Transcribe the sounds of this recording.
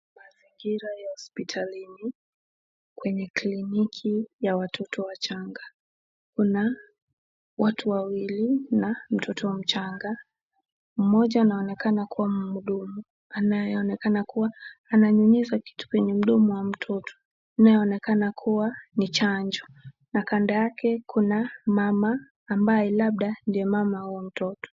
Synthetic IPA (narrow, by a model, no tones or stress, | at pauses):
maziŋɡiɾajahɔspitʰalini | kwɛɲɛklinikʰijawatʰɔtʰɔwat͡ʃaŋɡa | kuna | watʰuwawilinam̩tʰɔtʰɔm̩t͡ʃaŋɡa | m̩mɔʄaːnaɔnɛkanakʰuwamuɗɔmu | anajɛɔnɛkanakuwaːnaɲuɲizaki̥tu̥kwɛɲɛm̩ɗɔmuwam̩tʰɔtʰɔ̥ | najɛɔnɛkanakʰuwanit͡ʃaɲd͡ʒɔ | nakandajakʰɛkʰunamamaː | mbajɛlaɓ̚ɗandijɔmamahuɔm̩tɔtɔ̥